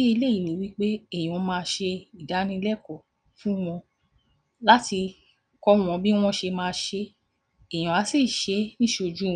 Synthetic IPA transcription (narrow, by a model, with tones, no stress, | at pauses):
i˦i˧le˦˨i˨nĩ˨˦wi˦k͡pe˦e˦˨j̃mãː˧ʃe˧i˨da˨˦nĩ˧lɛ˦kɔ˨ | fũ˦w̃ɔ̃˧ | la˦ti˧ | kɔ˦w̃ɔ̃˧bi˦w̃ɔ̃˦ʃe˧mãː˧ʃe˧ | e˨j̃ɔ̃˨a˨˦si˦˨ʃe˨˦nĩ˦ʃo˧d͡ʒũ˦